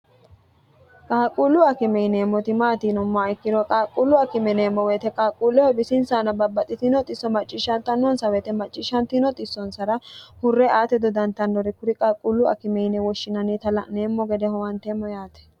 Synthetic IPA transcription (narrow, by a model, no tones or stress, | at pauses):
kʼaːkʼulːʊɐkɪmɛjneːmːɔt̪ɪmaːt̪iːnɔmːɔɪkːɪd̪ɔkʼaːkʼːulːʊɐkɪmɛneːmːɔwɛːt̪ɛkʼaːkʼːulːɔhɛbɪsɪnsanɐbɐbːɐt̪ʼɪt̪ɪnɔt̪ʼɪsːɔmɐt͡ʃʼːɪʃːɐnt̪ɐnːɔnsɐwɛt̪ɛmɐt͡ʃʼːɪʃːɐnt̪ɪnɔt̪ʼɪsːɔnsɐɾɐhʊrːɛʔaːt̪ɛd̪ɔd̪ɐnt̪ɐnːɔɾɪkʊɾɪkʼakʼːulːʊɐ̰kɪmɛjnɛwɔʃːɪnɐnit̪ɐlɐneːmːɔɡɛd̪ɛhɔwɐnt̪eːmːɔjaːt̪ɛ̥